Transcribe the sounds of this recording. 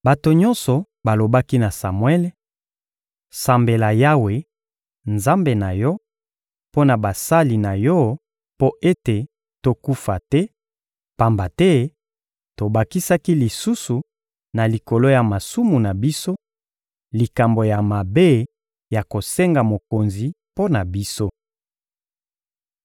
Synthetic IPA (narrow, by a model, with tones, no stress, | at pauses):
ba˨to˨ɲɔ̃˦nsɔ˨ | ba˨lo˨ba˦ki˦na˨sa˨mwɛ˦l | sa˨mbe˨la˨ja˦we˨ | nza˦mbe˨na˨jɔ˦ | po˦na˨ba˨sa˦li˨na˨jɔ˦ | po˦ʔe˦te˨ | to˨ku˦fa˨tɛ˦ | pa˨mba˨tɛ˦ | to˨ba˨ki˦sa˦ki˦li˨su˦su˨ | na˨li˨ko˨lo˦ja˨ma˨su˦mu˨na˨bi˦so˦ | li˨ka˨mbo˨ja˨ma˨be˦ | ja˨ko˨se˦ŋɡa˨mo˨ko˨nzi˨ | po˦na˨bi˦so˦